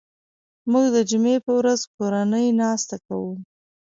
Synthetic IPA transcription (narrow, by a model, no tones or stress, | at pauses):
muɡd̪əd͡ʒumepəwɾazkoɾanəjnɑst̪akawu